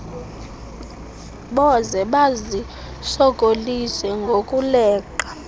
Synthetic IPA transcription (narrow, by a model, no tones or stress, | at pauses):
ɓɔzɛɓazi | sɔkʼolisɛŋɡʱokʼulɛːǃa